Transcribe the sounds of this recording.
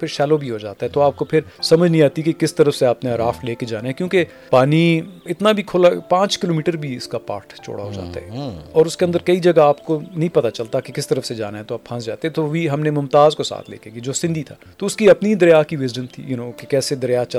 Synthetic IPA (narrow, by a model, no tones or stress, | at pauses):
pʰɪɾʃɛːlobʱiɦod͡ʒa̰ːt̪aɦɛt̪oaːp̚kopʰɪɾsɐməd͡ʒʱnĩaːt̪ikekɪst̪ɐɾəfseaːpneɐɾaːfleːked͡ʒaːnaɦɛ̃kjõːke | paːniɪt̪nabʱikʰoːlapãːt͡ʃkɪloːmiːʈəɾbʱiɪskapa̰ːɾʈt͡ʃo̰ːɽa̰ɦod͡ʒa̰ːt̪a̰ɦɛɔːɾʊskeɐ̃nd̪əɾkɐid͡ʒɐɡaaːpkonɐɦĩpɐt̪at͡ʃɐlt̪akekɪst̪ɐɾəfsed͡ʒa̰ːnaɦɛt̪oaːpʰɐ̃nsd͡ʒa̰ːt̪eɦɛ̃t̪oʋʱiɦɐmnemʊmt̪aːzkosa̰ːt̪ʰlḛːkeɡid͡ʒoːsɪ̃nd̪ʱit̪ʰaːt̪oʊskiɐpnid̪ɐɾjaːkiʋɪzd͡ʒənt̪ʰḭjʊnõːkekɛːsed̪ɐɾjaːt͡ʃɐ